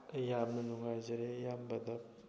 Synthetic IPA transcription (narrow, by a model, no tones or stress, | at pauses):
ɐjamnɐnuŋɡajzɐɾejambɐd̪ɐp̚